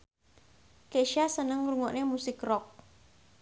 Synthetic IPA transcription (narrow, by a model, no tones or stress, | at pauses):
keʃasənəŋruŋɔʔnemusɪkrɔk̚